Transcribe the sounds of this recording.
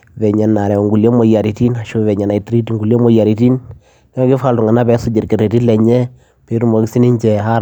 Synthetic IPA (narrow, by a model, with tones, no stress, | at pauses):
vɛ˨ɲɛ˨nːa˨ɾɛ˨ŋɡu˨le˦mo˨˦ja˨ɾi˨ti˦na˨ʃu˦vɛ˨ɲa˨na˨i˨tɾi˦ti˨ŋɡu˨le˦mo˦ja˨ɾi˨ti˦n | kɡɪ˦fa˨ltu˨ŋa˨na˦bɛ˨˦sʊ˦d͡ʒi˨ɾke˨ɾe˨ti˦lɛ˨ɲɛ˦ | pe˨˦ɾu˦mo˨ɡi˦si˦ni˦ɲt͡ʃɛ˨ha˦ɾ